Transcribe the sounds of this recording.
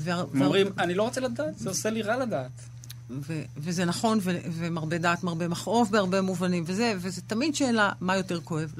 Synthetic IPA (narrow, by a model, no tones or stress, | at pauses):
veavmʁimanilo̞ʁot͡selad̪aːt̪zeʁoseliʁalad̪aːt̪ | vevezenaχo̞nvevemaʁbe̞daːt̪maʁbe̞maχʔo̞vbeaʁbemuvanimvezevezetamidʃeːlamajo̞teʁko̞ev